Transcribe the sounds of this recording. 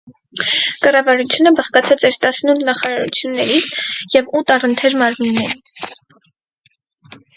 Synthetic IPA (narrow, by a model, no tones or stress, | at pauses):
kɑrɑvɑɾut͡sʰjunəbɑχkɑt͡sʰɑt͡sɛɾt̪ɑsnulnɑχɑɾɑɾṵt͡sʰjunːɛɾit͡sʰjɛvut̪ɑrənt̪ʰɛɾmɑɾminːɛɾi